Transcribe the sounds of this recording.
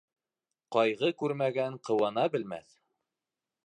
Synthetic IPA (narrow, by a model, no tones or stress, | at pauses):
qɑjʁɤkʉɾmæɡæɴqɤ̆wɑnɑbɘ̆lmæ̰θ